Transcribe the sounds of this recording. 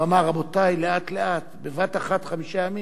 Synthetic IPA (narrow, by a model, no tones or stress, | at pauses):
amaʁabot̪ajleat̪leʔat̪bevat̪aχat̪χamiʃajami